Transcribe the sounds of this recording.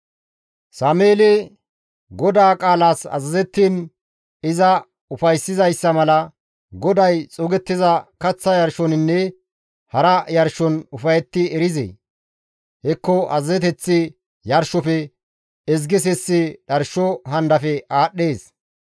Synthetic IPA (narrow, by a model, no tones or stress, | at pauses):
saːmeːlɛ | ɡɔd̪aːkʼaːlaːsɐ̰zɐzɛt̪ːiːn | ɪzɐ | ʊfɐjsːɪzɐjsːɐmɐlɐ | ɡɔd̪ɐjt͡sʼɔɡɛt̪ːɪzɐkɐt͡sːɐjɐɾʃɔnɪnːɛ | hɐɾɐjɐɾʃɔnʊfɐjɛt̪ːɪɛɾɪzɛ̰ | hɛkːɔʔɐ̰zɐzɛt̪ɛt͡sːɪ | jɐɾʃɔfɛ | ɛz̬ɡɪs̬ɛsːɪɗɐɾʃɔɦɐnd̪ɐfɛaːɗːe̞ːs